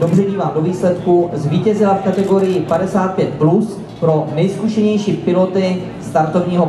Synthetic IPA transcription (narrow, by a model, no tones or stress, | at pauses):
dobrɛdiːvaːmdo̞viːslɛt̪kuzviːcɛzɪlafkat̪ɛɡo̞ɾɪjɪpadɛsaːt̪̚pjɛt̪̚plus | pɾo̞nɛjskuʃɛɲɛjʃiːpɪlo̞t̪ɪ | st̪aɾt̪o̞vɲiːɦo